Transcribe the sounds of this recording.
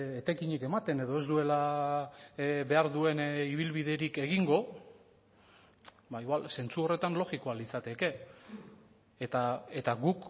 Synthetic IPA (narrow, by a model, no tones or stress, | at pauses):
et̪ajkiɲike̞mat̪e̞ne̞ðo̞e̞zd̪ue̞la | βe̞aɾðue̞niβ̞ilβiðe̞ɾike̞ɣ̞iŋɡo̞ | baiɣwalse̞nt͡suo̞re̞t̪anlo̞ɣiko̞alit͡sat̪e̞ke̞ | t̪ae̞t̪aɣuk